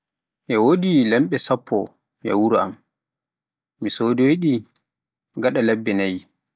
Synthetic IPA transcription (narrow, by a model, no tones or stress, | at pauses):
ʔɛwodilɛmɓɛsapʰːɔ | jɛ̰wuɾɔa̰m | misodɔwiɗi | ɡaɗalɛbːɛnaj